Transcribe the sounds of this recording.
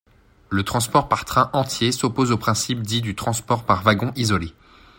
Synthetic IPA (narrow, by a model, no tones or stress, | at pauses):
lət̪χɑ̃spɔʁpaʁ̥t̪χɛ̃ʔɑ̃t̪jesopozopχɛ̃sipd̪id̪yt̪χɑ̃spɔʁpaʁvaɡɔ̃ʔizɔle